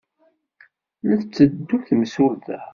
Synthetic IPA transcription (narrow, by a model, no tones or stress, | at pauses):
nəθt͡sːəd̪ːuθməsʊɾðæ